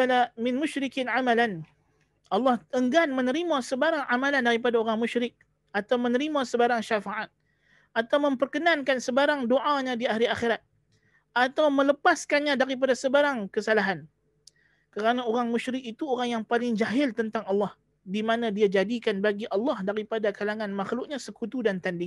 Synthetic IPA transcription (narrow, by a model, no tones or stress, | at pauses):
alamɪnmʊʃɾikinʕamalan | ɑlːɑhəŋɡanmə̃nəɾimasəbaɾaŋamalandaɾip̬adaoɾaŋmuʃɾɪk̚ | ʔat̪awmənəɾimasəbaɾaŋʃafaʕat̪̚ | ʔat̪awmə̃mpərkənankansəbaɾaŋdoʔaɲãdiaɦɾiaxeɾat̪̚ | ʔat̪awmə̃ləpaskanɲãdaɾip̬adasəbaɾaŋkəsalaɦan | kəɾanaoɾaŋmuʃɾɪkit̪uoɾaŋjaŋpalɪŋd͡ʒaɦɪlt̪ənt̪aŋɑlːɑh | dimanadiad͡ʒadikanbaɡiʔɑlːɑhdaɾipadakalaŋanmaxlʊk̚ɲãsəkut̪udant̪andɪŋ